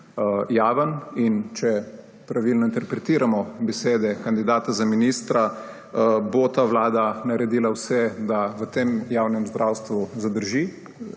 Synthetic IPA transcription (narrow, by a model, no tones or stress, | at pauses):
jaːʋənint͡ʃɛ | pɾaʋilnɔint̪ɛɾpɾɛt̪iːɾamɔbɛseːd̪ɛkand̪id̪aːt̪azaminist̪ɾa | bot̪aʋlaːd̪anaɾɛd̪iːlawsɛd̪aʋət̪emjaːwnɛmzd̪ɾʔawst̪ʋuzad̪əɾʒi